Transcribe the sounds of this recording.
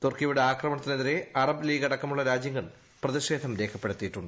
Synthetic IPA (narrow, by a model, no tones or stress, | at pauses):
t̪orkiʋiɽeaːkrɐmɐɳɐt̪ːineðiɾe̞ɐrɐbliːɡɐɽɐkːɐmuɭːɐɾaːd͡ʑjɐŋːɐɭ | prɐðiɕe̞ːd̪ʱɐmɾe̞ːkʰɐpːe̞ɽut̪ːijiʈːuɳɖɨ